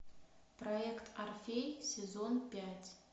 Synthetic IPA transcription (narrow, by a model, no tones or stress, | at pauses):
proekt̪ʰarfʲejsʲezonpʲætʲ